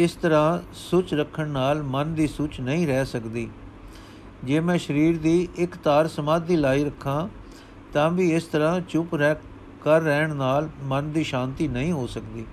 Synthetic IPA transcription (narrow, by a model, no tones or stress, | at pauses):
ɪst̪əɾãː | sʊt͡ʃɾəkʰːəɳnaːlmənd̪iːsʊt͡ʃnəĩːɾɛːsəkd̪iː | d͡ʒeːmɛ̃ːʃəɾiːɾd̪iːʔɪkt̪aːɾsəmaːd̪ːiːlaːiːɾəkʰːãː | t̪ãːʋiːɪst̪əɾãːt͡ʃʊpɾɛː | kəɾːɛːɳnaːlmənd̪iːʃãːnt̪iːnəɦĩːɦoːsəkd̪iː